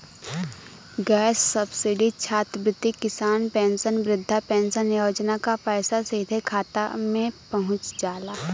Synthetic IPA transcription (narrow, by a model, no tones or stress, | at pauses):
ɡɛːsːɐbsɪɖit͡ʃʰaːt̪bɾɪt̪ːikɪsaːnpɛ̃ːnsənʋɾɪd̪ʱːapɛ̃ːnsənjoːd͡ʒnakapɛːsasid̪ʱekʰaːt̪a̰mẽpɐɦʊ̃t͡ʃd͡ʒaːlaː